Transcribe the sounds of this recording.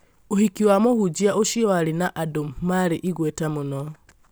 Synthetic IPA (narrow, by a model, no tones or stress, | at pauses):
ohikiwamohud͡ʒiaʔoʃiɔalinaʔadommaɾiʔiɣwetamunɔ